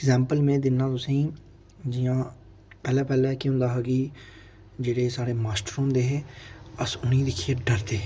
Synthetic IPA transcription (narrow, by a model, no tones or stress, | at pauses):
ɪɡzɛːmpəlmẽːd̪ɪnːãːt̪ʊsĩː | d͡ʒɪjãː | pɛːlɛːpɛːlɛːkɪɦʊ̃nd̪aːɦɛɡiː | d͡ʒeːɽeːsaːɽeːmaːsʈɾoːnd̪eːɦeːəsʊnĩːd̪ɪkʰiːeɖəɾt̪eː